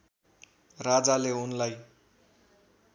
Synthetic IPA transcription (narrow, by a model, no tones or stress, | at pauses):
rad͡zaleunlaj